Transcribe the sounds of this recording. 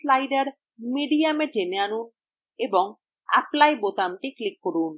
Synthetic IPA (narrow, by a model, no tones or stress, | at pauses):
slajɖaɾ | miɖiameʈeneanun | ebɔŋ | a̰plajbot̪amʈiklikːoɾun